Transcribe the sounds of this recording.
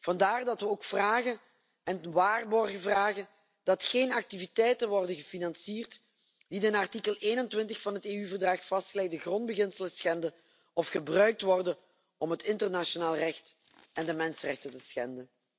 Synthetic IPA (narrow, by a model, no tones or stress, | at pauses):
v̥ɑndaːrdɑtʋəoːkfraːɣə | ɛnʋaːrbɔrɣəvraːɣə | d̥ɑtxeːnɑk̚tivitɛjtənʋɔrdənɣəfinɑnsiːrt | didənɑrtikəlˠeːnəntʋɪntəxfɑnɦəteːyvərdrɑxfɑstxəlɛk̚dəɣrɔnd̚bəɣɪnsələsxɛndən | ɔfxəbrœɥk̚tʋɔrdən | ɔmɦətɪntərnaʃonaːlˠrɛxt | ɛndəmɛnsərɛ̰xtətəsxɛndən